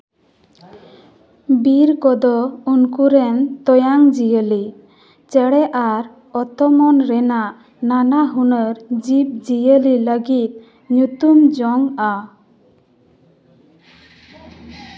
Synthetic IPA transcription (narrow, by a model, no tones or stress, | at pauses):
biɾkɔd̪ɔunkuɾɛnt̪ɔjaŋd͡ʒijəli | t͡ʃɛɽɛʔaɾ | ɔt̪ɔmɔnɾɛnaʔ | nanaɦunəɾd͡ʒip̚d͡ʒijəliləɡit̪̚ | ɲut̪umd͡ʒɔŋa